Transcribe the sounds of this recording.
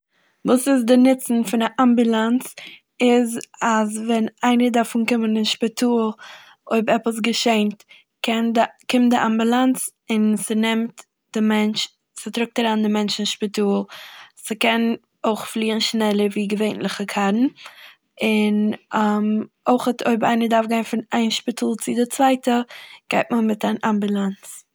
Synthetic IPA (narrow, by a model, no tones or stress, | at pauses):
vuːsɪzdɪnɪt͡sn̩fɪnaʔambulˠant͡s | ɪzazvɛnaɪnədaɾfunkɪmənɪnʃpɪtʰuːlˠ | oɪbɛpəs̬ɡəʃeɪnt | kɛndkɪmt̚dɪʔambulˠant͡s | ɪnsɪnɛmt | d̥ɪmɛnt͡ʃ | sɪtɾʊk̚təɾaːndɪmɛnt͡ʃɪnʃpɪtuːlˠsɪkɛn | oɪχflˠiːənʃnɛlˠəɾviːɡəveɪnlˠɪχəkʰaɾn̩ | ɪnam | oɪχətʰoɪba̰ɪnədaɾfɡaɪnfɪnaɪnʃpɪtʰuːlˠt͡sɪdɪt͡svaɪtəɡ̥aɪtməmɪtanʔambulˠant͡s